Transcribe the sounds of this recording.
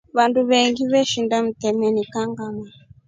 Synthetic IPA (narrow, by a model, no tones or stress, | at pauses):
βanduβɛŋɡiβɛʃindam̩tɛmɛnikaŋɡama